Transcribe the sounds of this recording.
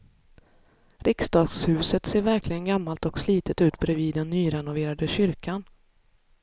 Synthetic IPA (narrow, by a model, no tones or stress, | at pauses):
ɾɪksd̪ɑːɡshʉ̟ːsət̪seːɾvæɾklɪɡənɡamːalt̪ɔksliːt̪ət̪ʉ̟ːt̪bɾɛviːd̪ɛnːyːɾɛnʊveːɾad̪əɕʏɾkan